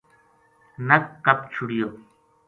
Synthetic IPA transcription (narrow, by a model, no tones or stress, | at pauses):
nɐkːɐp̚t͡ʃʰuɽijo